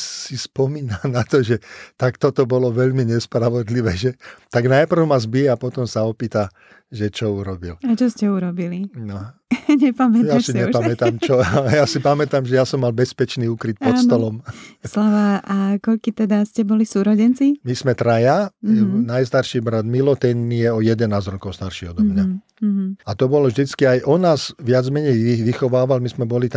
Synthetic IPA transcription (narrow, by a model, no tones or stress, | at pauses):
sispɔmiːnanat̪ɔʒɛt̪akt̪ɔt̪ɔbɔlɔʋɛʎmiɲɛspɾaʋɔd̪liʋɛːʒɛt̪aɡnajpr̩ʊmazbijɛapɔt̪ɔmsaɔpiːt̪a | ʒɛt͡ʃɔuɾɔbḭlat͡ʃɔscɛuɾɔbilinɔɲɛpamɛjasiɲɲɛpamɛt̪amt͡ʃɔjasipamɛt̪amʒɛjasɔmːalbɛspɛt͡ʃniːukɾit̪̚pɔsɔlɔmslaʋaakɔʎkit̪ɛd̪ascɛbɔlisuːɾɔɟɛnt͡simismɛt̪ɾajaɛnajst̪aɾʃiːbɾad̪milɔt̪ɛnmijɛɔjɛd̪ɛnaːzɾɔkɔʊst̪aɾʃiɔd̪ɔmɲa | ɦ̩at̪ɔbɔlɔvʒd̪it͡skiajʔɔnaːzʋɪad͡zmɛɲɛjiʋixɔʋaːʋalmismɛbɔlit̪